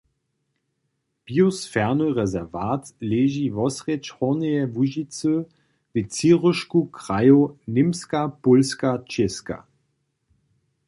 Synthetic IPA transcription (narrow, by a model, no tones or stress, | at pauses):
b̥iosfɛʁnəʁɛzɛʁvaːtleːʒivɔsʁɛt͡ʃhɔʁnɛjɛvuʒit͡sə | vɪt͡siʁəʃkukʁajonɪmskapolskat͡ʃeska̰